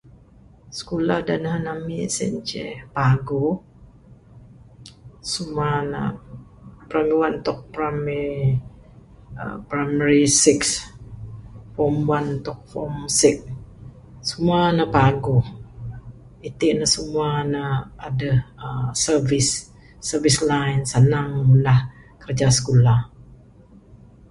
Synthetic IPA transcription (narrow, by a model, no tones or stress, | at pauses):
sə̥kolahdananamisɛ̰ɲt͡ʃɛ̰paɡo | sumana̰ | pɾamiwant̪ɔk̚pɾami | ə̰pɾaməɾisiks | fɔmwant̪ɔk̚fɔmsɪk̚ | səmuanəpaɡʊh | it̪iʔnəsumuanəadəhəsəvisː | əvislajnsənaŋəmundahkərd͡ʒasə̥kulah